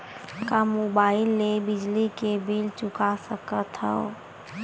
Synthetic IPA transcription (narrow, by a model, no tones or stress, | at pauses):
kamoːbaːɪlːebɪd͡ʒlikebiːlt͡ʃʊkasəkət̪ʰə̰o